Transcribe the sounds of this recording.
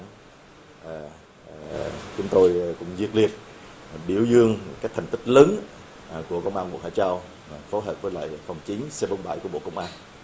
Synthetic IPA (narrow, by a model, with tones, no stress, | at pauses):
t͡ɕʊ˨˦ŋ͡mt̪o˧jkʊ̰˧˥ŋ͡mzi˧ək̚li˧˩ət̚ɓḭ˧˩əwzɨ˧əŋ˨˩kaː˦˥k̚t̪ʰɛ˨˩ŋ̟t̪i˦˥k̟̚ləː˨˦n˨ | ku˧˩əkə˧wŋ͡mʔaː˧ɓo̰˧˨ha̰ː˧˩t͡ɕaː˧w | fo˨˦jɦəː˨˩p̚vəː˨˦jla̰ː˧˨jfə˨˩wŋ͡mt͡ɕi˨˦ŋ̟sɛ˧ɓə˧wŋ͡mɓa̰ː˧˩jku˧˩əɓo̰˧˨kə˧wŋ͡mʔaː˧n